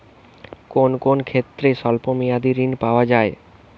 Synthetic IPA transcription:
konkonkʰet̪ːɾeʃɔlpomijad̪iɾinpaoad͡ʑae

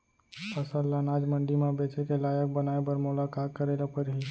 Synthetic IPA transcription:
pɐsəllːanaːd͡ʒmə̃ɳɖimẽbeːt͡ʃekelaːjək̚bənaːebəɾmʊlakaːt̪̚kəɾeːlapəɾɦi

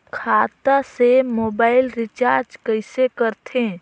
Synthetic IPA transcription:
kʰaːt̪asemoːbaːɪlɾɪt͡ʃaːɾd͡ʒkəɪsekəɾt̪ʰẽ

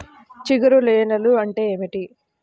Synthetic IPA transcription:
t͡ʃiɡɐɾuleːnɐluɐɳʈe̞ːeːmiʈi

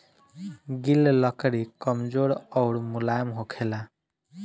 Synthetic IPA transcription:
ɡilləkɾikəmd͡ʒoɾɔʊɽmulajmɦokʰela

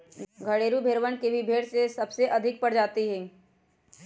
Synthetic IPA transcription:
ɡʱɐɽeːɾubʱeːɾʋənkebʱibʱeːɽsesɐbseʔɐd̪ʱɪk̚pɐɽd͡ʒaːt̪iɦɛ̃ː

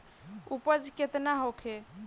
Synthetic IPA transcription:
upəd͡ʒʱket̪naɦokʰe

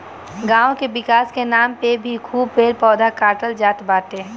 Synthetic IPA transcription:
ɡãːõkeʋɪkaːskenaːmpebʱikʰuːb̚peːɾpɔːd̪akaːɾʈəld͡ʒaːt̪baːt̪e

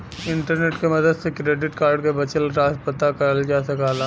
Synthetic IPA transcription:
ɪ̃ɳʈəɾneːʈkemɐd̪əd̪sekɾeːɖɪʈkaːɾɖkebɐt͡ʃəlɾaːspət̪akɐɾəld͡ʒaːsɐkaːlaː

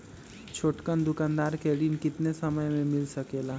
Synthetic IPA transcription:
t͡ʃʰoːʈkənd̪ʊkãːnd̪aːɾkɛːɽiːnkɪt̪nesɐməjmẽmɪlsəkelaː

